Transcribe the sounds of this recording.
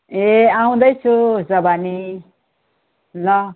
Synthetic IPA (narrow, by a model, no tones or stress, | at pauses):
eaũd̪ʌjt͡sʰud͡zʌbani | lʌ